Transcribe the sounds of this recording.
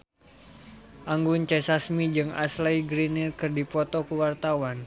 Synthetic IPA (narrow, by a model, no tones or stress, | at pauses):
ʔaŋɡuɲt͡ʃɛsasmid͡ʒɨŋa̰slajɡɾinirkɨrdipɔt̪ɔkuwart̪awan